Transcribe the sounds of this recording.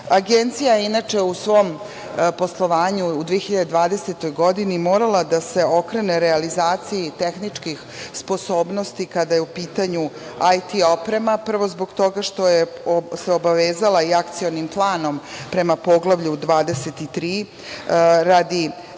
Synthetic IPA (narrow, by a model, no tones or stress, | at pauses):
aɡent̪sijajeinat͡ʂe̞usʋo̞ːm | po̞slˠo̞ʋaːɲuːd̪ʋiexiʎad̪e̞d̪ʋaːd̪e̞set̪o̞jɡo̞d̪inimo̞ːɾalˠad̪ase̞o̞kɾe̞ne̞ɾealizaːt̪siit̪exnit͡ʂkix | spo̞so̞ːbno̞st̪ikad̪ajeupiːt̪aɲu | ajt̪io̞pɾe̞mapr̩ʋo̞zbo̞ɡt̪o̞ɡaʃt̪o̞jese̞obaʋeːzalaiakt̪sio̞nimplˠaːno̞mpɾe̞mapo̞ɡlˠaʋʎud̪ʋaːd̪e̞se̞t̪it̪ɾiː | ɾad̪i